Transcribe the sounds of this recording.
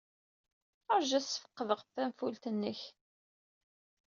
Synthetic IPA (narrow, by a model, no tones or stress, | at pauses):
əɾʒæsə̥fə̥qːəðəʁfːæmfult̪ənːəç